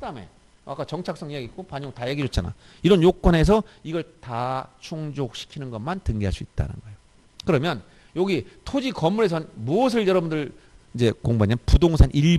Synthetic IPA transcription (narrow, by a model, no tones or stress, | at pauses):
dame̞̰ | a̰k͈at͡ɕʌŋt͡ɕʰak̚s͈ʌŋijaɡik͈opaɲoŋtajeɡid͡ʑot̚t͡ɕ͈ana̰ | iɾʌnjok̚k͈wʌne̞s̬ʰʌiɡʌɭtat͡ɕʰoŋd͡ʑok̚ɕʰi̥kʰinɯnɡʌmantɯŋɡiɦaɭs͈uit̚t͈a̰nɯ̰nɡʌejo | kɯɾʌmjʌn | joɡitʰod͡ʑikʌmːuɾe̞sʰʌnmuʌs̬ʰɯɭjʌɾʌbundɯɭid͡ʑe̞koŋbaɲapudoŋs̬ʰanʔiɭ